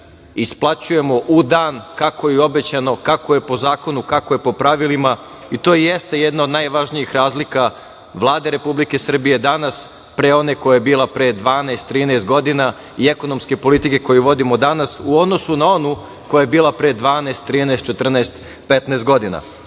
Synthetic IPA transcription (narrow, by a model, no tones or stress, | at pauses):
isplˠat͡ɕuje̞mo̞ʔud̪aːnkako̞jio̞be̞t͡ɕano̞kako̞je̞po̞zaːkonukakoje̞po̞pɾaʋilima | it̪o̞ːjeje̞st̪eje̞d̪naod̪najʋaʒnijixɾaːzlika | ʋlˠaːd̪e̞ɾe̞publike̞sr̩bije̞d̪anas | pɾeo̞ne̞ko̞jajebiːlˠapɾed̪ʋaːneest̪ːɾiːneːst̪̚ɡo̞d̪ina | ie̞ko̞no̞mske̞po̞lit̪ike̞ko̞juʋo̞d̪imo̞d̪anasuod̪no̞sunao̞nu | ko̞jajebiːlˠapɾed̪ʋaːneːst̪ːɾiːnest̪t͡ʃet̪r̩naest̪ | pet̪naest̪ɡo̞d̪ina̰